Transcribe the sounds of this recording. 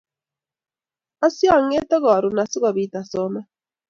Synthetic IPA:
a˦sja˦˨ŋe˦tɔ˦ɣɔ˨ɾu˨na˨si˦ɣɔ˨βi˨ta˨sɔ˨˦mɛ˦

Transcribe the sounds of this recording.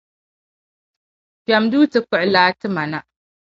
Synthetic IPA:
pa˨mduː˦tɨ˦kʊ˦ʔlaː˦tɨ˦ma˨na˦ʔ

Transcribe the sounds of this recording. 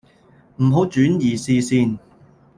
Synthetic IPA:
m̩˨˩ɦo˨˥wt͡ʃyː˨˥njiː˨˩siː˧siː˧n

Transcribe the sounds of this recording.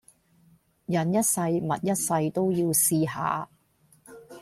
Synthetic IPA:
jɐ˨njɐ˥t̚sɐ˧jmɐ˨t̚jɐ˥t̚sɐ˧jt̪o˥wjiː˧wsiː˧ɦa̰ː˨

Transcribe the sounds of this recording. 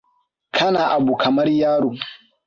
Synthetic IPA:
kʰa˦na˨ʔa˨bu˨kʰa˨ma˦ɾi˦jaː˦ɾu˨

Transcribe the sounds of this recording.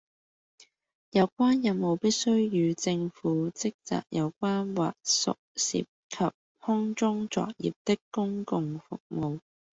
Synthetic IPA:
jɐ˨˧wkʷaː˥njɐ˨˧mo˨˧wpiː˥t̚sɵ˥ɥjyː˨˧t͡sɪ˧ŋfuː˨˥t͡sɪ˥k̚t͡sa̰ː˨k̚jɐ˨˧wkʷaː˥nwa̰ː˨k̚sʊ̰˨k̚sḭ˨p̚kʰɐ˨p̚ | hɔ˥ŋt͡sʊ˥ŋt͡sɔ̰ː˨k̚jḭː˨˩p̚t̪ɪ˥kkːʊ˥ŋkʊ˧ŋfʊ̰˨k̚mo˨w

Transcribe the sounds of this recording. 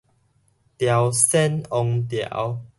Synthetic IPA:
t̪ja˨˩wsɛ˦nɔ˧ŋt̪ja̰˨˦w

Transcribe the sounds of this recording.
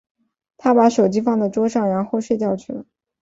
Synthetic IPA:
t̪ʰa˥pa˧˥ʂo˨˩ʊt͡ɕi˥fɑ˥˩ŋd̪ə˥˩ʈ͡ʂwɔ˥ʂɑ˥˩ŋɻa˧˥nxo˥˧ʊʂwe˥˧t͡ɕjɑ˥˧ʊt͡ɕʰy˥˩lə˩

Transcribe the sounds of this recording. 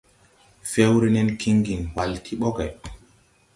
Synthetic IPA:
fɛ˦wɾi˦nɛ˦nkʰi˦ŋɡi˨nwa˨ltʰi˦ɓɔ˦ɡɛ˨

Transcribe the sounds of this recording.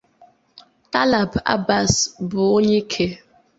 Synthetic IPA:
ta˦la˨ba̰˦ba˨sbʊ˨o˦ɲe˦kʰe˨

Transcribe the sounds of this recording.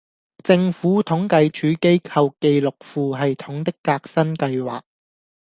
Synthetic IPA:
t͡sɪ˧ŋfuː˨˥t̪ʰʊ˨˥ŋkɐ˨˧jt͡ʃʰyː˨˥ke˥jkʰɐ˧wke˧jlʊ˨k̚fuː˨˧ɦɐ˨jt̪ʰʊ˨˥ŋt̪ɪ˥kːaː˧k̚sɐ˥nkɐ˧jwa̰ː˨k̚

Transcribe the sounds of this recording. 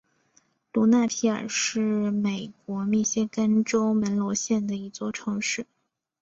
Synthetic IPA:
lu˧˥na˥˩p̪ʰi˧˥ə̰˞˨˩ʂɻ̩˥˩me˨˩ɪkwɔ˧˥mi˥˩ɕjɛ˥ka˥nʈ͡ʂo˥ʊmə˧˥nlwɔ˧˥ɕjɛ˥˩nd̪ə˩i˧˥t͡swɔ˥˩ʈ͡ʂʰɤ˧˥ŋʂɻ̩˥˩

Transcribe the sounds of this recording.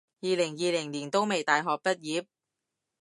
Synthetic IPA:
jiː˨lɪ˨˩ŋjiː˨lɪ˨˩ŋliː˨˩nt̪o˥wme˨jt̪aː˨jɦɔː˨k̚pɐ˥t̚jiː˨˧˥p̚

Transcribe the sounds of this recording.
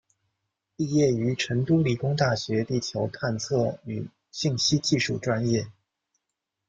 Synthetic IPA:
i˥˧jɛ˥˩y˧˥ʈ͡ʂʰə˧˥ŋt̪u˥li˨˩kʊ˥ŋt̪a˥˩ɕɥɛ˧˥t̪i˥˩t͡ɕʰjo˧˥ʊt̪ʰa˥˧nt͡sʰɤ˥˩y˨˩ | ɕi˥˩ŋɕi˥t͡ɕi˥˧ʂu˥˩ʈ͡ʂwa˥njɛ˥˩

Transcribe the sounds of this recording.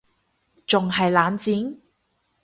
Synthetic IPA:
t͡sʊ˨ŋɦɐ˨jlaː˨˥nt͡siː˨˥n

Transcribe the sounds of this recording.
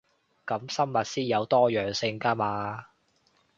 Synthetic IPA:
kɐ˨˥msɐ˥mːɐ˨t̚siː˥njɐ˨˧wt̪ɔː˥jœː˨ŋsɪ˧ŋkaː˥maː˧

